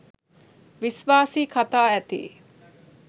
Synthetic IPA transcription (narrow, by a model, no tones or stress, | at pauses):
ʋisʋaːsiːkʰɐt̪aːæt̪ḭː